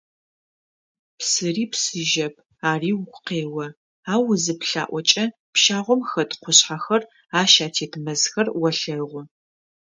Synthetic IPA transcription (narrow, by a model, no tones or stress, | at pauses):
psɨriːpsɨʒɐpʰ | aːriːwɡʷʼʊqeːwɐ | aːwʊzɨpɬa̰ːʔʷɔt͡ʃʼɐ | pʃaːʁʷɔmxɐtqʷʊɕħaxɐr | aːʃaːtʰeːtʰmɐzxɐrwɐɬɐʁʷʊ